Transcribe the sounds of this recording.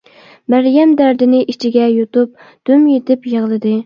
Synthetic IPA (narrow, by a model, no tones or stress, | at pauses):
mæɾjɛmd̪æɾd̪ɪnɪʔit͡ʃʰɪɡʲɛjot̪up̚ | d̪̥ømjet̪ʰɪpjeʁlˠɨd̪ɨ